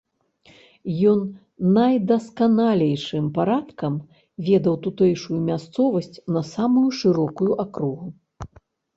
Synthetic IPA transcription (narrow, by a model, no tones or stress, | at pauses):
jɔnː | ajd̪ɐskanalʲɛjʂɨmpaɾat̪kɐm | vʲɛd̪ɐwt̪ut̪ɛjʂujumʲast̪sɔvɐsʲt͡sʲnɐsamujuʂɨɾɔkujuʔakɾuɣu